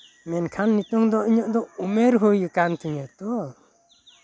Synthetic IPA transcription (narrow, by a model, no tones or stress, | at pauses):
mɛnkʰanːit̪ɔŋd̪ɔʔiɲɔʔd̪ɔumeɾɦujɯkant̪ʰiɲat̪ɔ